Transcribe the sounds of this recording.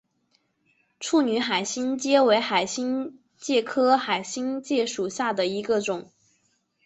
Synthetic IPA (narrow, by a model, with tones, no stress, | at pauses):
ʈ͡ʂʰu˥˩ny˧˥xa˨˩ɪɕi˥nt͡ɕjɛ˥we˧˥ɪxa˨˩ɪɕi˥ŋ | t͡ɕjɛ˥˩kʰɤ˥xa˨˩ɪɕi˥ŋt͡ɕjɛ˥˩ʂu˨˩ɕja˥˩d̪ə˩i˧˥ɡə˧ʈ͡ʂʊ˨˩˦ŋ